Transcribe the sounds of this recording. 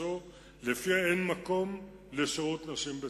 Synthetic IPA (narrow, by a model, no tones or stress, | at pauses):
o | lefiaenmako̞m | leʃeʁut̪naʃimbe